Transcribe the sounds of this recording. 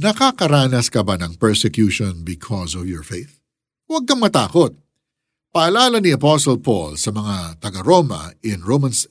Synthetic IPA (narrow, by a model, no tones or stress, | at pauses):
nɐkakɐɾaːnɐskɐbanɐŋpɛɹsɛkjuʃɔnbɪkʰɔsɔvjɔɹfejθ | wɐɡ̚kɐŋmɐt̪a̰ːkot̪̚ | pɐʔɐlaːlɐniɐpɔsɔlpo̰lsɐmɐŋat̪ɐɡɐɾoːmɐ̰ɪnɹomɐns